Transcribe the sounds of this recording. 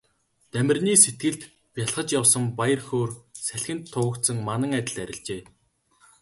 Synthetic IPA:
t̪æmʲɪ̆rniːset̪̚ɡɘ̆ɮt̪ | pʲjaɮχə̆t͡ɕjawsə̆mpajə̆rxoːrsæɬʲxɘ̆nt̪ʰːʊwə̆kt̪sə̆ŋmanə̆ŋæt̪ʲɪ̆ɮæɾʲɪ̆ɮt͡ɕeː

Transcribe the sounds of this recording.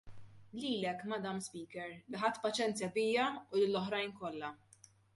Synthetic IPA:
liːlɛkːmɐd̪ɐmspiːkɛɾlɪħɐt̪ːpɐt͡ʃɛnt͡sjɐbɪːjɐʊlɪlːɔħɾɐjnkɔlːɐ

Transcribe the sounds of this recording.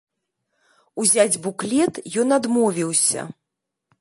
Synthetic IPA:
uzʲad͡zʲbuklʲɛt̪jɔnad̪mɔvʲiwsʲɐ̰

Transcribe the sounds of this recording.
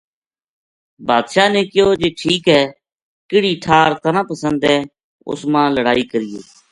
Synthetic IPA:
baːd̪ʃaːnẽːkɪjoːd͡ʒeːʈʰiːkɦɛː | kɪɽiːʈʰaːɾt̪ənãːpəsənd̪ɦɛː | ʊ̰smãːləɽaːiːkəɾɪjoː

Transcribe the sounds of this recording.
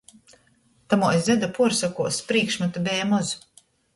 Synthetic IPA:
t̪amuɔjzzɛd̪apuɔɾsakuɔspɾiːkʃmat̪abɛːmɔz

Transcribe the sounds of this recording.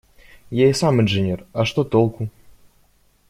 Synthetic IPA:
jasamɨnʐɨnʲerɐʂt̪ot̪olˠku

